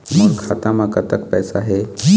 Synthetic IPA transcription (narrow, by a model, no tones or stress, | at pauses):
mɐ̃ŋkʰaːt̪ãmãkɐt̪əkpɛːsaɦeː